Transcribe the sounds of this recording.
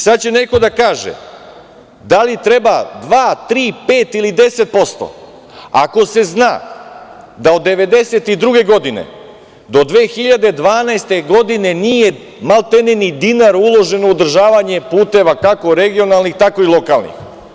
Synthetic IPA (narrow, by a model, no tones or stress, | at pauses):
sad̪̚t͡ɕe̞ne̞ko̞d̪akaːʒḛ | d̪alit̪ɾe̞bad̪ʋaːt̪ɾiːpeːt̪ilid̪e̞se̞t̪̚po̞st̪o̞̰ | a̰ko̞se̞znaː | d̪ao̞d̪ːe̞ʋe̞d̪e̞se̞t̪id̪ɾuɡe̞ɡo̞d̪ine̞̰ | d̪o̞d̪ʋe̞ːxiʎad̪e̞d̪ʋaːnaest̪e̞ɡo̞d̪ine̞nije̞ | malˠt̪enenid̪inaɾulˠo̞ʒe̞nood̪r̩ʒaːʋaɲe̞puːt̪e̞ʋakako̞ɾe̞ɡio̞nalˠnixt̪ako̞ilˠo̞kalnḭx